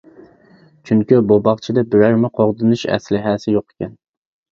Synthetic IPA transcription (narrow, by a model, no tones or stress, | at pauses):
t͡ʃʰyŋkʲybobɑχt͡ʃʰid̪ɛbɪɾæɾmɪqʰoʁd̪ɨnuʃɛ̰slɪɦæsɪjoqe̥kʲʰɛn